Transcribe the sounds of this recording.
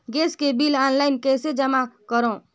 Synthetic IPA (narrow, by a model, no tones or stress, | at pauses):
ɡeːskebilaːnlaɪnkɛːsed͡ʒəmakəɾõ